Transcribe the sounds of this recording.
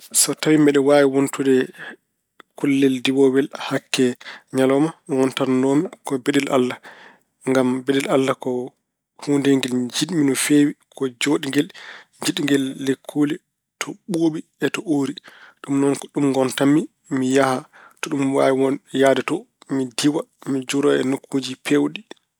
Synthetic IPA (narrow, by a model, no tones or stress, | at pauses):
sɔtawimɛɗɛwaːwiwontudɛ | kulːɛldiwɔwɛlhakːɛɲalɔmaŋɔntannoːmikɔbeɗɛlʔa̰lːa | ŋɡambeɗɛlalːakɔ | hundɛŋɡɛld͡ʒiɗminɔfeːwikʰɔd͡ʒoɗiŋɡɛl | d͡ʒiɗiŋɡɛlːekʰːuli | tʰɔɓoɓiɛtɔʔoɾiɗumnɔnkɔɗumŋɡɔntamːi | mijaha | tɔɗumwa̰wɔnjadɛtɔ | midiwamid͡ʒuɾɔɛnokʰːuːd͡ʒipʰewɗi